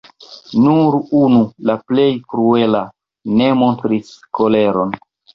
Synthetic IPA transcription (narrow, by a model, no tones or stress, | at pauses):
nuɾunulaple̞jkɾue̞la | ne̞mo̞ntɾisko̞le̞ɾo̞n